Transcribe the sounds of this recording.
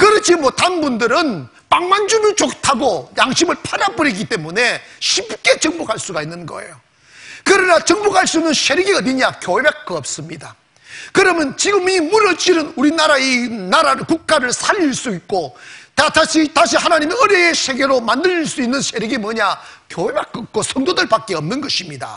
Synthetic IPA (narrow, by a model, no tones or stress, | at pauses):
kɯɾʌd͡ʑʰimʌtanbundɯɾɯn | paŋmand͡ʑunɯɭt͡ɕok̚tʰaɡojaŋɕʰimɯɭpʰadabɯɾiɡit͈e̞mune̞ɕʰip̚k͈e̞t͡ɕʌŋbukʰaɭs͈uɡainːɯnɡʌ̰ḛjo | kɯɾʌnat͡ɕʌŋbukʰaɭs͈uinːɯnsʰeɾiɡiɡaʌniɲakjobek̚k͈ɯʌp̚s͈ɯmɲida | kɯɾʌmjʌnt͡ɕiɡɯmimuɾʌt͡ɕiɾɯnuɾinaɾainaɾaɾɯkuk̚k͈aɾɯɭsʰaʎːiɭs͈uit̚k͈ot̪ataɕʰitaɕʰihanaɲimiɯɾeesʰe̞ɡe̞ɾomandɯɾiɭs͈uinːɯnsʰe̞ɾiɡimwʌɲakjoɦebak͈ːʌp̚k͈osʰʌŋdodɯɭpak͈̚eʌmnɯnɡʌɕʰimɲida̰